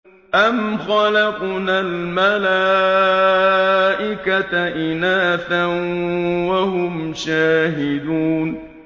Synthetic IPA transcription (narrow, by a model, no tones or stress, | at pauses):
ʔamxɑlɑqnalmalaː | ʔɪkat̪aʔɪnaːθanwahʊmʃaːɦɪd̪uːn